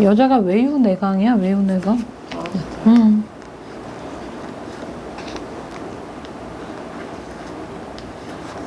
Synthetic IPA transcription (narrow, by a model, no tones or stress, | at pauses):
jʌd͡ʑaɡawejune̞ɡaŋiawejune̞ɡaŋ | ɯ